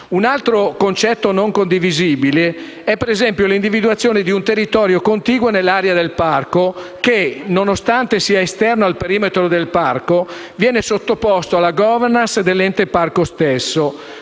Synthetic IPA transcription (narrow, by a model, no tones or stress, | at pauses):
unalt̪ɾokont͡ʃɛt̪ːonoŋkond̪iviziːbile | ɛpːeɾezɛmpjolind̪ivid̪uat̪sːjoːned̪iunt̪erːit̪ɔːɾjokont̪iːɡwonelːaːɾead̪elparkokenonost̪ant̪esiːaest̪ɛrnoalpeɾiːmet̪ɾod̪elparko | vjɛːnesot̪ːopɔst̪oalːaɡɔvɛrnansd̪elːɛnt̪eparkost̪esːo